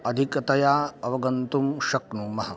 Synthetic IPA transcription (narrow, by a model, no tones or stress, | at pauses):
ɐd̪ʱikɐt̪ɐjaːɐʋɐɡɐnt̪umʃɐknumɐɦɐ